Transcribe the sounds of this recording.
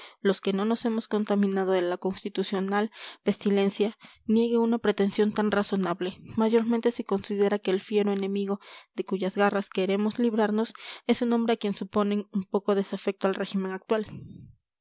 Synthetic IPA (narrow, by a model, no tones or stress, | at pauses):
lo̞ske̞no̞no̞se̞mo̞sko̞nt̪amĩnað̞o̞ðe̞lako̞nst̪it̪usjo̞nalpe̞st̪ile̞nsja | nje̞ɣeunapɾe̞t̪e̞nsjo̞nt̪anraso̞naβle̞maʝo̞ɾment̪e̞seko̞nsið̞e̞ɾake̞ːlfje̞ɾoenẽ̞miɣo̞ðe̞kuʝazɣaraske̞ɾe̞mo̞zliβɾaɾno̞se̞suno̞mbɾe̞akje̞nsupo̞ne̞ŋumpo̞ko̞ð̞e̞safe̞k̚t̪oalre̞ximẽ̞ŋak̚t̪wal